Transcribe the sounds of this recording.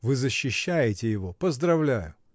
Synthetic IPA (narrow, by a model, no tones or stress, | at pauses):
vɨzəɕːɪɕːæjɪtʲɪjɪvo̞pəzd̪ɾɐvlʲæjʊ